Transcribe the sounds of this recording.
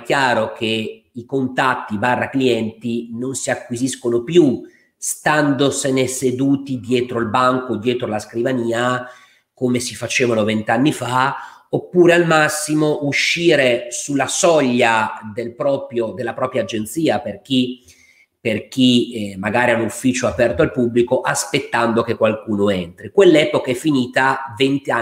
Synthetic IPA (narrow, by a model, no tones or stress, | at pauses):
k̟jaːɾok̟e | ikont̪at̪ːibarːakliɛnt̪inonsiakːwiziskonopju | st̪and̪osenesed̪uːt̪id̪jɛːt̪ɾoilbaŋkod̪jɛːt̪ɾolaskɾivaniːa | komesifat͡ʃeːvanovent̪eanːifa | opːuːɾealmasːimoʔuʃːiːɾesulːasɔʎːad̪elpɾɔːpɾjod̪elːapɾɔːpɾjaːd͡ʒent̪siːaperk̟i | perk̟imaɡaːɾianufːiːt͡ʃoapɛrt̪oalpublikoʔaspet̪ːand̪okekːwalkuːnoent̪ɾikwelːɛːpokaɛfːiniːt̪avent̪a